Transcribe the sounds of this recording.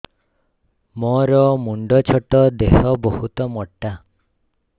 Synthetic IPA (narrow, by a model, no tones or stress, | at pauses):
mɔɾɔmuɳɖɔt͡ʃʰɔʈɔd̪eɦɔbɔhut̪ɔmɔʈːa